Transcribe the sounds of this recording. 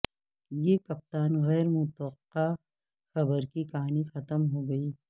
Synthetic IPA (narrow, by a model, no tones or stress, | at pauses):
jekɐp̚t̪aːnɣɛːɾmʊt̪wəqːa | xɐbəɾkikɐɦaːnixɐt̪əmɦoːɡɐiː